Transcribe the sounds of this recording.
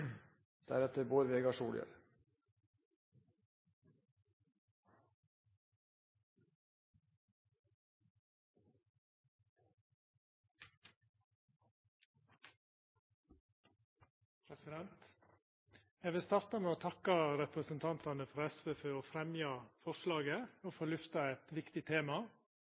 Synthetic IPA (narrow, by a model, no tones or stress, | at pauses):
d̪̥æɾɛt̪əɾboːɾʋeːɡɑʂuːljə̰ɾ | pʰɾɛsɪd̪ɛnt̪ | ɛːʋɪlst̪ɑɾt̪ɑmeːoːt̪ʰɑkɑɾɛpɾəsən̩t̪ʰɑnt̪ɑnəfɔɾɛsʋeːfeoːfɾɛmjɑfɔʃlɑːɡəoːfɔɭʏft̪ɑɛt̪ʋɪkt̪ɪt̪ʰeːmɑ